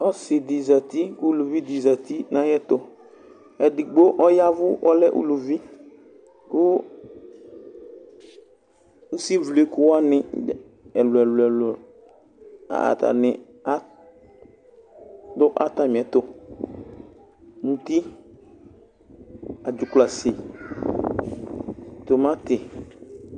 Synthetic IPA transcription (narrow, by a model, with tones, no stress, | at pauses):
ɔ˦sɪ˨di˨za˨t̪i˦kʊ˦lu˨vi˦d̪i˨za˨t̪i˦nã˦jɛ˦t̪ʊ˨ | ɛ˨dɪ˨ɡ͡bo˦ʔɔ˦ja˦vʊ˦ʔɔ˦lɛ˦ʔṵ˦lu˨vi˦ | kʊ˦ | u˦si˦vle˨kʊ˦wa˦nɪ̃˨ | ɛ˨lʊ˨ɛ˨lʊ˨ɛ˨lʊ˨ | a̰˨a̰˨ta̰˨nɪ˨ | a˦ | dʊ˦ʔa̰˦t̪a˨m˨ɛ˨t̪ʊ˦ | n̩˨t̪i˦ | a˨d͡ʒʊ˨kla˨sɪ˨ | t̪o˨mã˦t̪ɪ˨